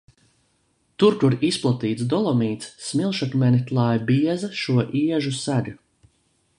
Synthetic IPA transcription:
t̪uɾkuɾisplˠat̪iːt̪sd̪ɔlˠɔmiːt̪sːmilˠʃat̪mɛnʲit̪lˠajbiɛzɐʃuɔʔiɛʒusælu

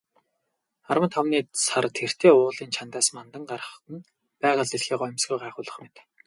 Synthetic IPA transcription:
aɾwə̆t̪ʰawniːsart̪ʰer̥t̪ʰeːʊːɮiːnt͡ɕʰant̪aːsmant̪ə̆ŋɢaɾə̆χt̪ə̆n | pæːʁə̆ɮiɮxiːɢɔ̆mʲsɡujɢaːχʊːɮə̆χmet̪

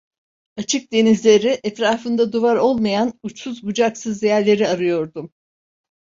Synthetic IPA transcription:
at͡ʃʰɯk̚d̪e̞nizlʲe̞ɾiʔɛt̪ɾaːfɯnd̪ad̪uvaɾo̞lˠmajanut͡ʃsuzbud͡ʒaksɯzd̪ejæɾlʲe̞ɾiaɾɯjo̞ɾd̪um

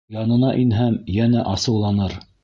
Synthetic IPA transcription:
jɑnɤ̆nɑʔinɦæmjænæʔɑsɤ̆wlˠɑnɤɾ

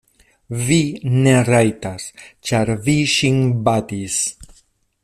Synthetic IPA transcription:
vine̞ɾajtast͡ʃaɾviʃinbatis

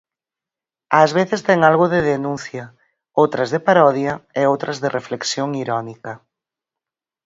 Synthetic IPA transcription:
azβ̞eθɪst̪ɛŋalɣʊðɪðenũnθjɐ | owt̪ɾɐzðɪpaɾɔðjɐeowt̪ɾʔɐzðɪrʔefleksjoŋiɾɔnikɐ

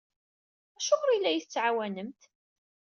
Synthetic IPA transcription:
æʃʊmɾˤilːæjiθt͡sːʕawænəmt̪

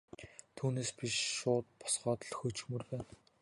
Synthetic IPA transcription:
t̪ʰuːneːspiʃʃʊːt̪̚pɔ̥sɢɔːt̪ɞ̆ɮxɵt͡ɕxmɵ̆rpæːn

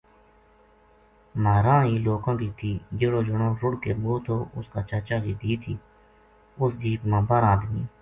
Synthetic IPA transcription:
maːɾãːɦiːloːkãːkiːt̪ʰiːd͡ʒeɽoːd͡ʒʊɽõːɾʊɽkeːboːt̪ʰoːʔʊskaːt͡ʃaːt͡ʃaːkiːd̪iːt̪ʰiː | ʊsd͡ʒiːpmãːbəɾaːd̪miː

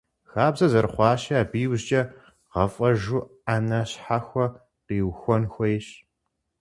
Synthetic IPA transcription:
xaːbzɐzɐrχʷɑːʃɐaːbiːwʑt͡ʃʼɐ | ʁɐfʼɐʒuanɐɕħaxʷɔ | qiːwxʷɔnxʷɔɪɕ

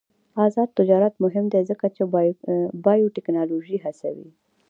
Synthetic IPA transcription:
ɑzɑd̪̚t̪ɪd͡ʒɑɾat̪mʊɦɪmd̪ezəkat͡ʃe | bɑjoʈɪknɑloʒiɦasa̰wḭ

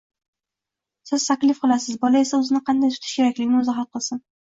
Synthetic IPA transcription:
sɪzt̪ʰakʲlɪfqɨlasɪzbɒlae̞saʊzɪnɪqʰɑnd̪ajt̪ʰʊ̥t̪ʰɪʃkʲʰe̞ɾakʲlɪɡʲɪnʊzɑɦat̪̚qɨlˠsɪn

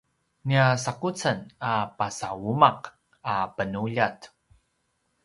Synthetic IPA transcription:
niasakut͡sənapasawumaq | apənuʎat

